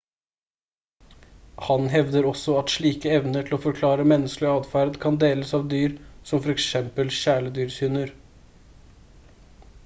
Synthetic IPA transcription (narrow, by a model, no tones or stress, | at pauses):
hɑnɦɛʋd̪əɾɔsɔɑt̪ʂɭiːkəɛʋnəʈʰɪl̩oːfɔɾkʰlɑːɾəmɛnːəsklɪɑːd̪fæɾd̪kʰɑnd̪eːləsɑːʋd̪yːɾsɔmfɔɾɛksɛmpəlɕæːɭəd̪yːɾsyːnəɾ